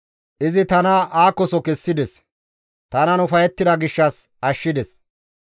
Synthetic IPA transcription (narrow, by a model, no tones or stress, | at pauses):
ʔɪzɪt̪ɐnɐʔaːkːɔsɔkɛsːɪd̪ɛs | t̪ɐnɐnʊfɐjɛt̪ːɪd̪ɐɡɪʃːɐs | ɐʃːɪd̪ɛs